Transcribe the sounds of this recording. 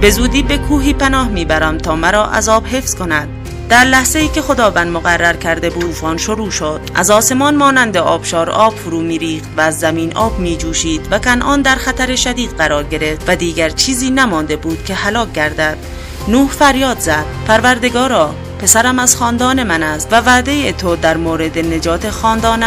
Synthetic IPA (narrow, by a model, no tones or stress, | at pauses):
be̞zuːd̪iːbe̞kʰuːɦiːpænɒːhmiːbæɾæmt̪ʰɒːmæɾɒːʔæ̰zɒːb̥ɦe̞fsko̞næd̪̥̚ | d̪æɾlæhze̞iːkʰe̞xo̞d̪ɒːvænd̪moɣærːæɾkʰæɾd̪e̞buːfɒːnʃoɾuːʃod̪̥ʔæ̰zɒːse̞mɒːnmɒːnænd̪e̞ʔɒːb̥ʃɒːɾɒːb̥foɾuːmiːɾiːxt̪væːzːæmiːnʔɒːbmiːd͡ʒuːʃiːd̪̥vækænʔɒːnd̪æɾxæt̪ʰæɾeʃæd̪iːd̪ɢæɾɒːɾɡe̞ɾe̞ft̪væd̪iːɡæɾt͡ʃʰiːziːnæmɒːnd̪e̞buːd̪̥kʰʲe̞hælɒːk̚ɟæɾd̪æd̪̥ | nuːhfæɾjɒːd̪zæd̥̪pʰæɾvæɾd̪e̞ɡɒːɾɒː | pʰe̞sæɾæmæz̥χɒːnd̪ɒːne̞mænæst̪vævæːd̪e̞jet̪ʰod̪æɾmoːɾe̞d̪ene̞d͡ʒɒːt̪ʰexɒːnd̪ɒːn